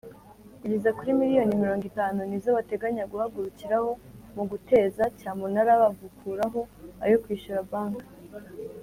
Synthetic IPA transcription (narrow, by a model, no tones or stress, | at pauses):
iɟizakuɾimiɾijo̞nimiɾo̞ːŋɡitaːnunizo̞βate̞ɡaɲaɡuhaɡuɾuciɾaho̞muɡute̞ːzacaːmunaɾaβaɡukʰuːɾaɦo̞a̰jokwiːʃuɾabaːŋɡḁ